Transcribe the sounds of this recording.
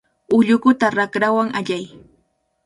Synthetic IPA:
ʊʎʊkʊt̪aɾakɾawaŋaʎaj

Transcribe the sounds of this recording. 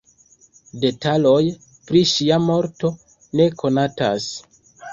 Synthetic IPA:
de̞talo̞j | pɾiʃiamo̞ɾto̞ | ne̞kʰo̞nata̰s

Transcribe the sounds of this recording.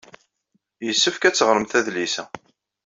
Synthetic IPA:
jəsːəfkæt͡sːəʁɾəmθæðlisæ

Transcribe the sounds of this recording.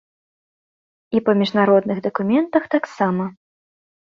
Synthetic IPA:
ipɐmʲiʐnaɾɔd̪nɨɣd̪ɐkumʲɛnt̪ɐxt̪aksamɐ

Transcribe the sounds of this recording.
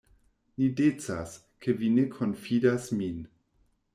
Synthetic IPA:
nidet͡sa̰s | kʰevinekʰonfidasmin

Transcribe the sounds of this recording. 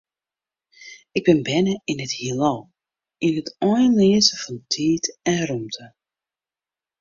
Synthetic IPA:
ɪɡ̚bɪnbɛnəɪnəthilow | inətɔjənliəzəfɔntʰiːtɛnrumtʰə

